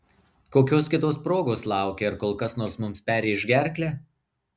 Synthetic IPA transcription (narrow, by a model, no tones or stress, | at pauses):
koːkʲoːskʲɪt̪oːspɾoːɡoːslˠɑˑʊkʲɛɪɾkoːlˠkɐsnoːɾsmʊmspʲæːɾʲeːɪʒʲɡʲæˑɾʲklʲɛː